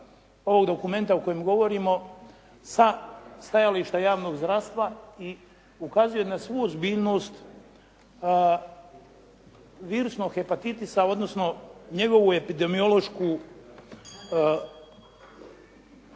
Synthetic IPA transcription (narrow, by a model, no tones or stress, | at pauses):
o̞ʋoɡd̪o̞kume̞nt̪aoko̞jemɡo̞ʋo̞ɾimo̞ | sast̪ajaliʃt̪ajaːʋno̞ɡzd̪ɾast̪ʋai | ukazujonasʋuːozbiːʎno̞ːst̪ | ʋiːɾusnoɡxepat̪it̪isao̞d̪no̞sno̞ɲe̞ɡo̞ʋue̞pid̪emio̞lˠo̞ʃku